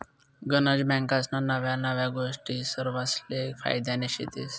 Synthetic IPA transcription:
ɡənad͡ʑbɛ̃ŋkasnanəʋjanəʋjaɡoʂʈiːsəɾʋaslefa̰jd̪aneɕḭt̪es

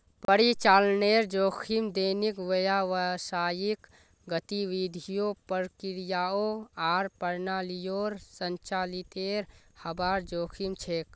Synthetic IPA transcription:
ppəɾit͡ʃalneɾd͡ʒokʰimd̪enikʋəjaʋəsajik | ɡət̪iʋid̪ʱijopəɾkiɾijaoaːɾpəɾnalijoɾsənt͡ʃalit̪eɾhəbaɾd͡ʒoːkʰimt͡ʃʰek

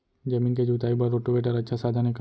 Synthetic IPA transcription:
d͡ʒɐmĩːnked͡ʒuːt̪aːibɐɾoːʈubeːʈ̬əɾɐtːʃʰasaːd̪ʱanek

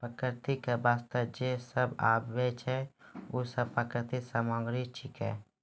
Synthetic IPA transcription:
pɾəkɾt̪ikebaːst̪əd͡ʒesəba̰ːbʋet͡ʃʰɛuːsəbpːɾəkɾɪt̪isəmãːɡɾit͡ʃʰɪkɛ̰ː

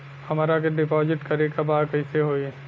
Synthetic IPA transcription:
hɐmaːɾakeɖɪpɔːzɪʈkɐɾekabaːkɐɪseɦoːi

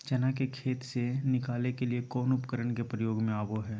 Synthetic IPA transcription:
t͡ʃɐnakekʰeːt̪senɪkaːlekeliekɔːnʊpkəɾəɳkepɾəjoːɡmẽaːboɦɛː

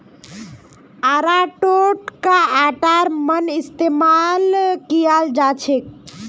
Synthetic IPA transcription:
aɾaʈoʈkaːʈaɾmənist̪emalkijald͡ʒat͡ʃʰek̚

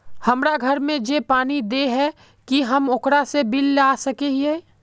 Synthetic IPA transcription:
hɐmɾaɡʱɐɾmẽd͡ʒepaːnid̪eɦɛ | kiɦɐmʊkɾasebɪlːaːsɐkeeː

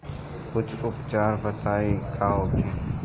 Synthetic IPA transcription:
kʊt͡ʃʰʊpt͡ʃaːɾbət̪ʰaːikʰaːɦoːkʰeː

